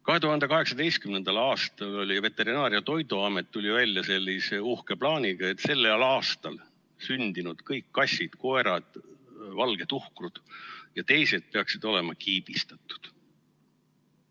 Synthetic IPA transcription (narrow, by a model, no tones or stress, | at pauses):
kɑɦe̞t̪uhɑnd̪ekɑɦe̞ksɑd̪e̞jst̪̚kymnend̪̥ɑlɑːst̪ɑlo̞lʲive̞t̪ːˑe̞ɾinɑːɾjɑt̪o̞jd̪uɑme̞t̪ːulʲivælʲːjɑse̞lʲːise̞uhke̞plɑːniɡ̥ɑe̞t̪ːse̞lːelɑːst̪ɑl | synd̪̥inud̪̥kɤjkːɑsʲːid̪̥ko̞e̞ɾɑd̪̥vɑlɡ̥e̞t̪uhkrud̪̥jɑt̪e̞jse̞d̪̥̚pe̞ɑksid̪̥o̞le̞mɑkʰiːb̥ist̪ɑt̪ˑːu̥d̪̥